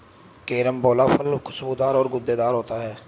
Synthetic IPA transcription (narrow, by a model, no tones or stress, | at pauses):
keːɾəmboːlaːpʰəlkʰʊsbuːd̪aːɾɔːɾɡʊd̪ːeːd̪aːɾɦoːt̪aːɦɛː